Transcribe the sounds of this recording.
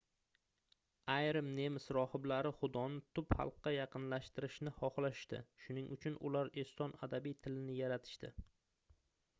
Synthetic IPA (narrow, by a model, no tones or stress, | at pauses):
ajɾɪmne̞mɪsɾɒhɪblaɾɪχʊd̪ɒnɪt̪ʰʊphɑ̰lˠqːɑjɑqʰɨnlaʃt̪ɪɾɪʃnɪhɒχlaʃɪ̥ʃt̪ɪ̰ʃʊnɪŋʔʊt͡ʃʰʊnʔʊ̰laɾest̪ɒnad̪abijt̪ʰɪlɪnɪjaɾat̪ʰɪ̥ʃt̪ɪ